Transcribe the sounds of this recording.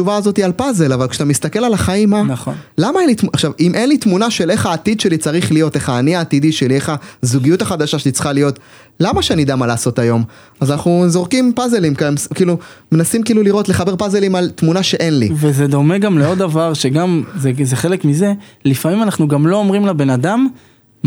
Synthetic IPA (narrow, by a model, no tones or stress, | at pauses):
t͡ʃuvaːzo̞t̪ialpaze̞lavalkʃe̥t̪amist̪ake̞lalaχaimːanaχolamaenlit̪muʔaχʃavimʔe̞nlit̪munaʃe̞le̞χaːt̪id̪ʃe̞lit͡saʁiχlijo̞t̪e̞χaːniaːt̪id̪iʃelie̞χazuɡijutaχad̪aʃaʃelit͡sχalijo̞t̪ | lamaʃeanid̪amalaːso̞t̪ajo̞m | azanaχnuzo̞ʁkimpazelimkamskiːlumenasimkiiːluliʁo̞tleχabe̞ʁpazelimalt̪munaʃe̞ʔe̞nlḭvezed̪o̞meɡamleo̞d̪avaʁʃeɡamzezeχelekmize̞lifamimanaχnuɡamlo̞ːmʁimlabe̞nad̪am